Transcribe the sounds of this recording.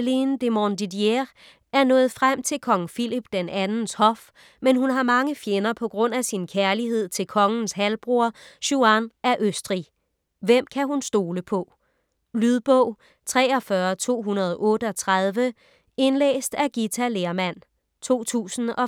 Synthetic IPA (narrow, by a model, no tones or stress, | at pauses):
lind̥emɒnd̥idieʁ | æɐnɔ̽ːð̩ˠfʁam̰t͡sʰe̝lkʰɒ̽ŋ̩filib̥d̥enænn̩shɒ̽f | menɦunɦɑ̈mɑ̈ŋəfjenɐpʰɒ̽ɡ̥ʁɔ̽n̰æsinkʰæɐliɦe̝ð̞̰ˠt͡sʰe̝lkʰɒ̽ŋn̩sɦælb̥ʁuɐɕuænʔæɐʔøsd̥ʁi | ʋem̰kʰæɦunsd̥o̝ːləpʰɒ̽ | lyðˠb̥ɔʊ̰ | t͡sʰʁɛ̰ːɒ̽fɶɐt͡sʰo̝̰ːɦunɐð̞ˠʔɔ̽ːɾəɒ̽t͡sʰʁað̞ˠʋə | e̝nlḛːsd̥æɡ̥it͡sʰæleːɐmæn̰ | t͡sʰo̝̰ːt͡sʰṵːsn̩ɒ̽